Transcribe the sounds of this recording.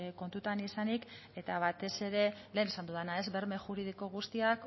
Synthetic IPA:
ko̞nt̪ut̪anisanike̞t̪aβ̞at̪e̞se̞ɾe̞le̞ːnesand̪uðanae̞zβe̞ɾme̞xuɾið̞iko̞ɣ̞ust̪iak

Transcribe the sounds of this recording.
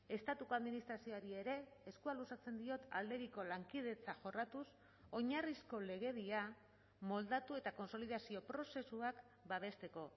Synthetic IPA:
e̞st̪at̪uko̞aðminist̪ɾasio̞aɾie̞ɾe̞ːskualusat͡se̞nd̪io̞t̪a̰ld̪e̞ɾiko̞laŋkið̞e̞t͡saʝo̞rat̪us | o̞ɲarisko̞le̞ɣ̞e̞ðia | mo̞ld̪at̪ue̞t̪ako̞nso̞liðasio̞pɾo̞se̞suak | baβ̞e̞st̪e̞ko̞

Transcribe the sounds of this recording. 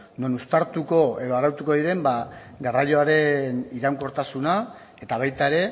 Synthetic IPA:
no̞nust̪aɾt̪uko̞e̞ðo̞aɾawt̪uko̞ðiɾe̞mba | ɡaraʎo̞aɾe̞niɾaŋko̞ɾt̪asuna | e̞t̪aβ̞ajt̪ae̞ɾe̞

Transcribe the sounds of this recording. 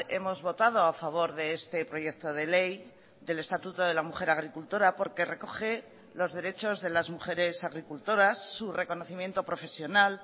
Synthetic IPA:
e̞mo̞zβo̞t̪að̞o̞afaβ̞o̞ɾðe̞est̪e̞pɾo̞ʝe̞k̚t̪o̞ð̞e̞le̞j | d̪e̞le̞st̪at̪ut̪o̞ðelamuχe̞ɾaɣ̞ɾikult̪o̞ɾapo̞ɾke̞re̞ko̞χe̞ | lo̞zðe̞ɾe̞t͡ʃo̞zðe̞lazmuχe̞ɾe̞saɣ̞ɾikult̪o̞ɾasːure̞ko̞no̞θimje̞nt̪o̞pɾo̞fe̞sjo̞nal

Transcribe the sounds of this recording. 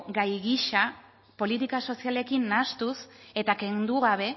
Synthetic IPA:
ɡajɣiʃa | po̞lit̪ikaso̞siale̞kinːast̪use̞t̪ake̞nd̪uɣaβ̞e̞

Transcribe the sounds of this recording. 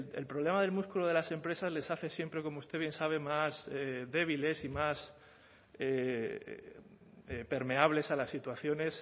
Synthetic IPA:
elpɾole̞maðe̞lmuskuloð̞e̞lase̞mpɾe̞sazle̞saθe̞sje̞mpɾe̞ko̞moust̪e̞βje̞nsaβ̞e̞maseðe̞β̞ile̞simas | e | epe̞ɾme̞aβle̞salasːit̪waθjo̞ne̞s

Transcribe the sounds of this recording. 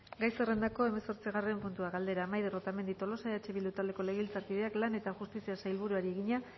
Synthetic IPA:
ɡajse̞re̞nd̪ako̞e̞me̞so̞ɾt͡siɣ̞are̞mpunt̪uaɣald̪e̞ɾaːmajðerot̪ame̞nd̪it̪o̞lo̞saeat͡ʃe̞βild̪ut̪ald̪e̞ko̞le̞ɣilt͡saɾpiðe̞aklane̞t̪axust̪isiasajlβuɾuaɾie̞ɣiɲa

